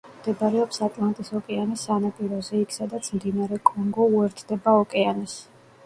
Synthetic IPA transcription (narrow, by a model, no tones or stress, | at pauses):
md̪̥ɛbaɾɛɔpsat̪ʼlˠant̪ʼisɔkʼɛanisanapʼiɾɔzɛikʰsad̪at̪sʰmd̪inaɾɛkʼɔŋɡɔuɛɾt̪ʰd̪̥ɛbaɔkʼɛanis